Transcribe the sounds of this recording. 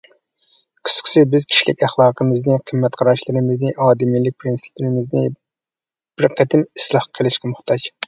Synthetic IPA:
qʰə̥sqʰə̥sɪbɪzkʲʰi̥ʃlɪ̰kʲæχlˠɑːqʰəmɨznɪqʰəmːɛt̪qʰɑɾɑʃlˠɨɾɪmɪznɪʔɑːd̪ɪmilɪk̚ʲpʰɾinsɪ̥plɪɾɪmɪznɪ | b̥ɪɾqʰæt̪ɪmislˠɑχqʰəlˠɪʃqʰæmʊχt̪ɑʃ

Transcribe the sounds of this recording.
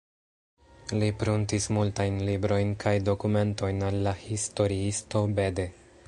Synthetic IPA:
lipɾuntismultajnlibɾo̞jnkʰajdo̞kume̞nto̞jnalːahisto̞ɾiisto̞be̞de̞

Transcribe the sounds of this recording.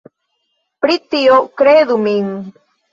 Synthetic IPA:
pɾit̪iokɾeðumiŋ

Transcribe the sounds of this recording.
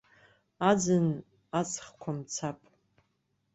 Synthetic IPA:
ad͡zɨn | at͡sʼχkʷʰamt͡sʰapʼ

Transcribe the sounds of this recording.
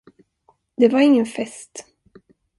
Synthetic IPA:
d̪ɛvaɾɪŋːənfɛst̪

